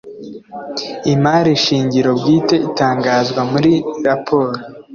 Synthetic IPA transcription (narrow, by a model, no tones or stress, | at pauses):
imaːɾiʃiːɲɟiɾo̞bɡiːte̞itaːŋɡazɡwamuɾiɾapʰo̞ːɾo